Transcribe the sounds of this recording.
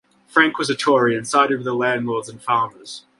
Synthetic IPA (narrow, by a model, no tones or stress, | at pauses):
fɹæ̃ŋkwʌzɨtʰɔɹiɨ̃nsaɪɾɨd̚vəðəlæ̃ndˡlɔɹdzɨ̃nfaʊmə˞z̥